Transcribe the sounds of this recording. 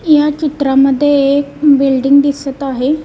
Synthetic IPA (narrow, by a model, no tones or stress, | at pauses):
jat͡ɕit̪ɾaməd̪ʱːjeekbilɖiŋɡd̪isət̪aɦe